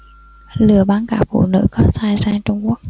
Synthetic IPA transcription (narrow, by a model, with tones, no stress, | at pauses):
lɨ˨˩əɓaː˧˦nkaː˧˩p̚fṵ˧˨nɨ̰˧˥kɔ˦˥t̚saː˧jsaː˧ŋt͡ɕʊ˧ŋ͡mku˦˥ək̚